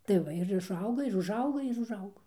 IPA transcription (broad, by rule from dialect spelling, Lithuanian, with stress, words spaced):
tɐɪ ˈʋɐ ɪr ɪʃˈɐʊɡɐ ɪr ʊʒˈɐʊɡɐ ɪr ʊʒˈɐʊɡoː